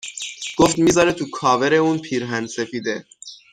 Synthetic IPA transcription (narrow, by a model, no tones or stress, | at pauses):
ɡ̥oft̪mizɒːɾet̪ʰukʰɒːveɾeuːnpʰiːɾɦænd̪sefiːd̪e